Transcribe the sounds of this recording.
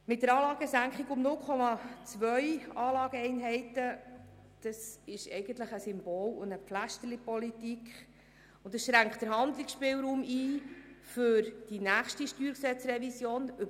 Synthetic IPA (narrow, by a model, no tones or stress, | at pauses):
mɪt̚dəɾɑːlɑːɡəsæŋkχiɡʊmnʊlkʰχɔmɑt͡svœʏɑːlɑːɡəɛɪnɦɛɪtə | d̪̥ɑsɪʃɛ̰ɪɡ̥əntləχəsʏmb̥oːlʊ̰nəpflæʃtəɾlipɔlitikχ | ʊntdəsʃɾæŋktd̥əɾɦɑnd̪lɪksʃpɪːlɾuːmiːfʏɾd̥inæːχʃtiʃtyːɾksɛt͡srɛvisjoːnʏ